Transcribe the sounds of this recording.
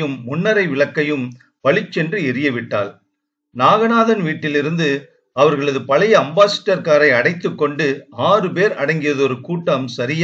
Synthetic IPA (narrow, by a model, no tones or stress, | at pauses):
jɯmːʊnːɐɾɐɪʋɪɭɐkːɐjɯm | pɐɭɪt͡ʃːɛndrɯɪɾɪjɐʋɪʈːa̰ːl | naːɣɐnaːðɐnʋiːʈːɪlɪɾɯnd̪ɯ | ɐʋɐɾɣɐɭɐðɯpɐlɐjɐɐmbaːsɐ̥ʈːɐɾkaːɾɐɪɐɽɐɪt̪ːɯkːɔɳɖɯaːrɯpeːɾɐ̰ɽɐŋɡɪjɐðɯɔɾɯkuːʈːɐmsɐɾɪj